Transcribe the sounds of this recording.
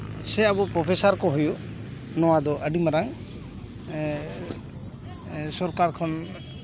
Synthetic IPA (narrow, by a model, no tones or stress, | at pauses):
sɛabupɾɔpʰesaɾkɔɦuju | nɔwad̪ɔʔəɖimaɾaŋ | sɔɾkaɾkʰɔn